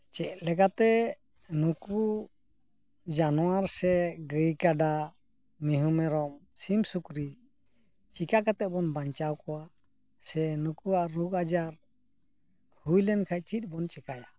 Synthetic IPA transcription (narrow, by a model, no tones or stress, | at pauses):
t͡ʃɛc̚lɛkat̪ɛ | nuku | d͡ʒanɔwaɾsɛɡəjkaɖa | miɦumɛɾɔmsimsukɾi | t͡ʃikakat̪ɛbɔnbaɲt͡ʃawkɔwa | sɛnukuaʔɾuɡad͡ʒaɾ | hujlɛnkʰaj̚t͡ʃit̪̚ˀbɔnt͡ʃɛkaɽa